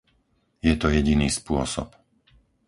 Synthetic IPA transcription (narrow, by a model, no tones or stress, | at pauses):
jɛt̪ɔjɛɟiniːspʊɔsɔ̰p